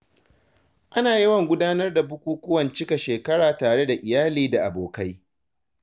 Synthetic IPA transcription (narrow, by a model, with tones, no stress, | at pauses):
ʔa˦naː˨jɐ˦wɐ˨ŋɡʷʊ˦daː˦nɐ˦rda˨bʊ˦kʷuː˦kʷʊ˦wɐ˨nt͡ʃɪ˦ka˨ʃeː˨kɐ˦ɽaː˨taː˨ɽe˦da˨ʔɪ˨jaː˦liː˦da˨ʔa˨boː˨ka˦j